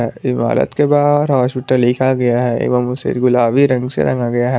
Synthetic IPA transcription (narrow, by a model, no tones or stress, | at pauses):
ɛːɪma̰ːlə̰t̪kebaːɾɦaːspɪʈəlːɪkʰaɡɐjaɦɛḛːkb̪əmʊsḛɡʊlaːʋiɾɐ̃ŋɡsḛɾɐ̰̃ŋɡaɡɐjaɦɛː